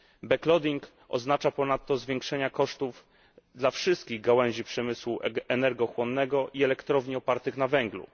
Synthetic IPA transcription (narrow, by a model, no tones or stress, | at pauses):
bɛklɔd̪iŋk | ɔ̰znat͡ʂapɔnat̪ːɔzvʲjɛŋkʂɛɲakɔʂt̪uv | d̪lafʂɘst̪̚kʲiɣɡawɛw̃ʑipʂɛmɘswuɛnɛɾɡɔxwɔnːɛɡɔʔiɛlɛkt̪ɾɔvɲiɔpaɾt̪ɘxnavɛŋɡlṵ